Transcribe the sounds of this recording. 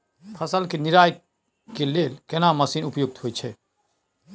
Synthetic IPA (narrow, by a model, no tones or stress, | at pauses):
pʰəsəlkeniɾaːj | kelelkenaməsiːnupjuɡ̚t̪ɦojt͡ʃʰɛ